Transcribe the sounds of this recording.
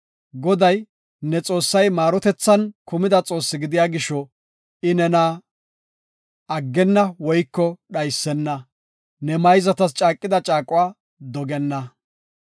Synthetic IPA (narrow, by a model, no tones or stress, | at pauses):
ɡɔd̪ɐj | nɛt͡sʼo̞ːsːɐjmaːɾɔt̪ɛt͡sːɐnkʊmɪd̪ɐt͡sʼo̞ːsːɪɡɪd̪ɪjaːɡɪʃɔ | ɪnɛnaː | ɐɡːɛnːɐwɔjkːɔɗɐjsːɛnːɐ | nɛmɐjzɐt̪ɐst͡ʃʼaːkʼːɪd̪ɐt͡ʃʼaːkʼʊwaː | d̪ɔɡɛnːɐ